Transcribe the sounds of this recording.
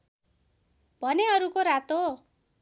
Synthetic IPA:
bʱʌneʌɾukoɾat̪o

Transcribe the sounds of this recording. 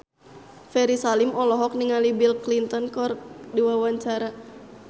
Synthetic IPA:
fɛɾisalimɔlɔɦɔk̚niŋalibilklint̪ɔnkɔrdiwawaɲt͡ʃaɾa

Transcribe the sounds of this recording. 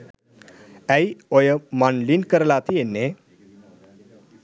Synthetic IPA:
æjojəmanlinkəɾlaːt̪ʰijenːe

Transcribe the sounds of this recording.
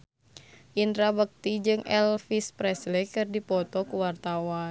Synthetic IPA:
ʔint̪ɾabək̚t̪id͡ʒɨŋʔɛlfispɾɛslɛkɨrdipɔt̪ɔkuwart̪awa

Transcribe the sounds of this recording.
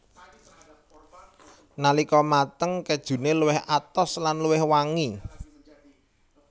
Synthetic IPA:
nalikɔmat̪əŋkɛd̥ʒ̥ṳneluwɪhʔat̪ɔslanluwɪhwaŋi

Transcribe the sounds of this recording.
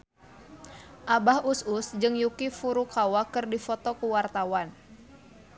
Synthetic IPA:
ʔabahususd͡ʒɨŋjukifuɾukawakɨrdifɔt̪ɔkuwart̪awan

